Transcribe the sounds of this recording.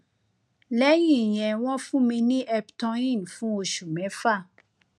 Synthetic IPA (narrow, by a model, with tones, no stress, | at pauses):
lɛ˦jĩ˨jɛ̃˨wɔ̃˦fũ˦mĩ˧nĩ˦ʔɛ˧btɔ̃˧ĩ˦˨nfũ˦o˧ʃu˨mɛ̃˨˦fa˦˨